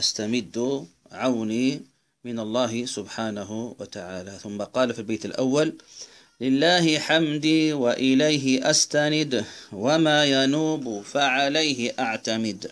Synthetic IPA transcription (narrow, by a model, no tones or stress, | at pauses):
ʔast̪amɪd̪ːʊʕawni | mɪnɑlˤːɑːɦɪsʊbħaːnaɦwa̰t̪aʕaːlaθʊmːaqɑːlafilbeːt̪alʔawːal | lɪlːaːhɪħamd̪iːwaʔɪlajɦɪʔast̪anɪd̪wamaːjanuːbfaʕalajɦɪʔaʕt̪amɪd̪